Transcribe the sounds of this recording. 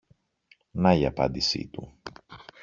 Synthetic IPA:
nɐiɐpɐ̰nd̪isḭt̪u

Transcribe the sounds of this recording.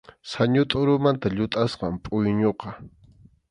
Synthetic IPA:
saɲʊt̪ʼʊɾʊmant̪aʎʊt̪ʼasqɑmpʼʊjɲoqɑ

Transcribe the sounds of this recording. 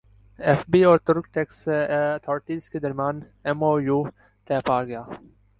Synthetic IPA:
ɛfbiːɔːɾt̪ʊɾkʈekst̪ʰoːɾɪʈiːzked̪ɐɾmjaːn | ɛmoːjuː | t̪ɛːpaːɡɐjaː

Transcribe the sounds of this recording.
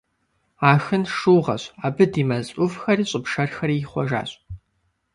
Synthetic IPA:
aːxɨnʂuːʁɐ̰ɕaːbɨdiːmɐzʼʊfxɐriːɕʼɪpʂɐrxɐriχʷɔ̰ʒa̰ːɕʼ

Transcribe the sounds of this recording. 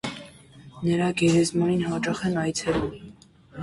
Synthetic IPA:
nəɾɑɡɛɾɛzmɔɾinhɑt͡ʃɑχɛnɑjt͡sʰɛlum

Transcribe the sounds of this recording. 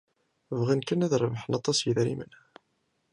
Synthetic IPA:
vʁankənæðɾˤəvħənɑt̪ˤːɑsjəðɾḭmə̰n

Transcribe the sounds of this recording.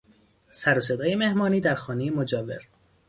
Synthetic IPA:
sæɾos̬e̞d̪ɒːje̞me̞hmɒːniːd̪æɾxɒːnejemod͡ʒɒːve̞̰ɾ

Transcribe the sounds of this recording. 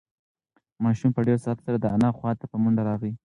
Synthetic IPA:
mɑʃumpəɖeɾsɑt̪saɾad̪əanɑxwɑt̪apəmʊɳɖaɾɑɣi

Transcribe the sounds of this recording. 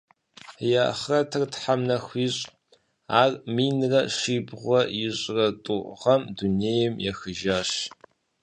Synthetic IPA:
jaχrɐtʰɐrtħamnɐxʷiːɕʼ | aːrmiːnrɐʂiːbʁʷɔjɪɕʼrɐtʼʊʔʁɐmduneːjɛmjɛxɨʒaːɕ

